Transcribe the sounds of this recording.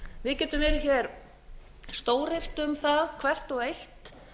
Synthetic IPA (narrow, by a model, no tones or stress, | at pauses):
vɪðcɛːt̪ʏmvɛːɾɪçɛɾ | st̪oːwɾɪr̥t̪ʏmθaðkʰvɛr̥t̪ɔɣejht̪